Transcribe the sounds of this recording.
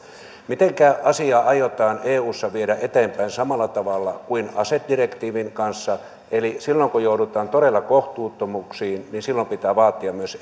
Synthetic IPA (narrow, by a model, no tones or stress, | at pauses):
mit̪eŋkæʔɑsiɑːʔɑjot̪ɑːneːuːsːɑʋieɾæʔet̪eːmpæinsɑmɑlːˑɑt̪ɑʋɑlːɑkuinɑset̪̚direkt̪iːʋiŋkɑnsːɑ | elisilːoŋkujoudut̪ˑɑːnt̪oɾelːɑkoht̪uːt̪ːomuksiːnninsilːompit̪æːʋɑːt̪ːiɑmmyøs